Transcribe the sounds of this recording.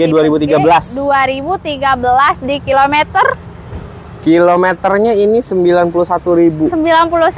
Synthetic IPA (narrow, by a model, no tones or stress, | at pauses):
aduaɾibut̪iɡabəlasduaɾibut̪iɡabəlasdikilomet̪ər | kilomet̪ərɲainisəmbilanpulusat̪uɾibusəmbilanpulus